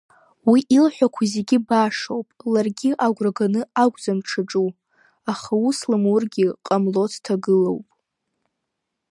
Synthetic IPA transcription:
wiʔilħʷᶣakʷʰazeɡʲɪbaʂowpʼlarɡʲiʔaɡʷraɡanɨaɡʷd͡zamʈ͡ʂʰaʈ͡ʂʼu | aχauslɨmurɡʲɪqʼamlo̞tʰtʰaɡɨlo̰wpʼ

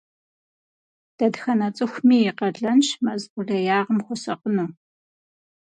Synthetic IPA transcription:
d̥ɐdxɐnɐt͡sʼɨxʷmiːjɪqɐɮɐnʃmɐzʔʷʊɮɐjaːʁəmxʷɔsɐqənuː

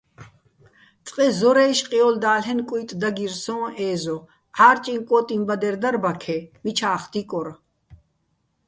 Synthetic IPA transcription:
t͡sʼqʼɛzɔɾɛːʃqʼiɔld̪aːlɦɛnkʼujt̪ʼd̪aɡiɾsɔ̃ːɛːzɔ | aːɾt͡ʃʼiŋkʼɔːt̪ʼimbad̪ɛɾd̪aɾbakʰɛmit͡ʃʰaːχd̪ikʼɔɾa

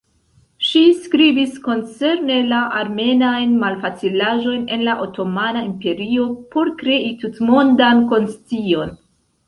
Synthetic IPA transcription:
ʃiskɾibisko̞nt͡se̞ɾne̞laʔaɾme̞najnmalfat͡silaʒo̞jne̞nlaʔo̞to̞manaimpe̞ɾio̞po̞ɾkɾe̞itutmondanko̞nst͡sio̞n

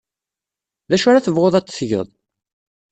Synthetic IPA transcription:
ðæʃʊɾaθəvʁoðˤɑt͡sːθʝə̰ðˤ

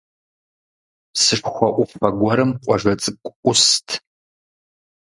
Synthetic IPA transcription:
sɨʂxʷɔʔʷʊfɐɡʷɔɾɨmqʷʼɔʒʷɐt͡sʼɨkʷʼʔʷʊstʰ

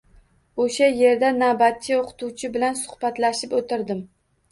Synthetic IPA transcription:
oʃaje̞ɾd̪anabat̪̚ːɪoqʰɨ̥t̪ʰuwt͡ʃʰɪbɪlansʊ̥hb̥at̪laʃɪpot̪ʰɪɾd̪ɪm

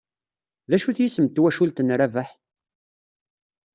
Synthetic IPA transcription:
ðæʃuθjisəmt̪ːwæʃult̪ənɾævaħ

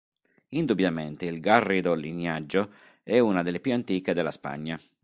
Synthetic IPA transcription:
ind̪ubjament̪eilɡarːid̪olːinjad͡ʒːo | ɛunad̪elːepjuant̪iːked̪elːaspa̰ɲːa

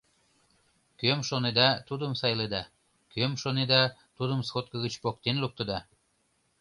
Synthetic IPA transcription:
kømʃoned̪ɑt̪ud̪əmsɑjled̪ɑ | kømʃoned̪ɑt̪ud̪əmskot̪̚kəɣət͡ɕpok̚t̪enluk̚t̪ə̆d̪ɑ

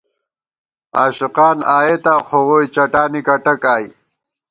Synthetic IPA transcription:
aːɕuqɑːnaːjet̪aːxʰoʁoːjt͡ɕɐʈaːnikɐʈɐkaːji

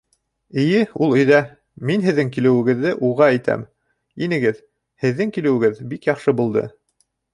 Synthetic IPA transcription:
ɘ̆jɘulˠɵ̆jðæ | minɦɘ̆ðːɘŋkilɘ̆wɘ̆ɡɘ̆ðːɘʔuʁɑæjt̪æ̰m | inɘ̆ɡɘð | hɘ̆ðːɘŋkilɘ̆wɘ̆ɡɘðbikjɑχʃɤbulˠd̪ɤ̰

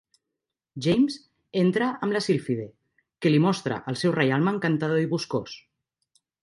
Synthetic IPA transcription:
ʒejmz | ent̪ɾaʔəmlasilfiðe | kelimɔst̪ɾa̰ʔəlˠsɛwrejalˠmaŋkant̪að̞oiβuskos

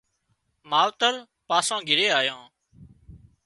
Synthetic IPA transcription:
maːʋt̪əɾ | paːsãːɡʱɪɾeːaːjõː

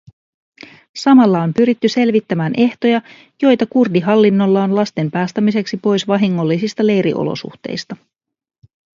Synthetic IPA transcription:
sɑmɑlːɑompyɾit̪ːyse̞lʋit̪ːæmæːnʔe̞ht̪o̞jɑ | jo̞jt̪ɑkurdiɦɑlːinːo̞lːɑonlɑst̪e̞mpæːst̪æmise̞ksipo̞jsʋɑɦiŋːo̞lːisist̪ɑle̞jɾḭʔo̞̰lo̰sṵxt̪e̞̰jst̪ɑ

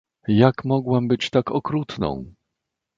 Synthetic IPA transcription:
jakmɔɡwɛmbɘt͡ɕt̪akɔkɾut̪nɔ̰̃w̃

